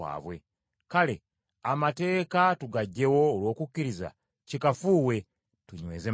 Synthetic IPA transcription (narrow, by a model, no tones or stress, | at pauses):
a̰ːβwe̞̰ | kale | amate̞ːkatuɡaɟːe̞wo̞ːlwo̞ːkukːiɾiza̰ | cikafuːwe̞ | tuɲweːze